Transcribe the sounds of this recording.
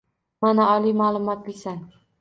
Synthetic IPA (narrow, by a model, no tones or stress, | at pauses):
manaɒlimalˠʊmɒt̪̚bɪsan